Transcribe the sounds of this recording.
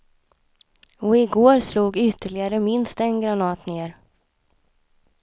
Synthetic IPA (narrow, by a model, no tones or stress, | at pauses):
ɔɪɡoːɾsluːɡʏt̪ʰːəɭɪɡaɾəmɪnst̪ɛnɡɾanɑːt̪neːɾ